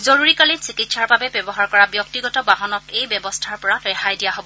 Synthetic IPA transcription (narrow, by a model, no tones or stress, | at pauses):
zoɹuɹikalinsikitsaɹbabɛbɛbɔɦaɹkɔɹabjɔk̚tiɡɔtɔbaɦɔnɔtejbjɛbɔstʰaɹpɔɹabɛxajdijaɦobɔ